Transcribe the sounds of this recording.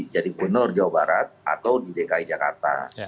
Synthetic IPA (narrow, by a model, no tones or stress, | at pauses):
d͡ʒadikənɔrd͡ʒawabaɾat̪̚a̰t̪awdidekaid͡ʒaka̰rt̪a̰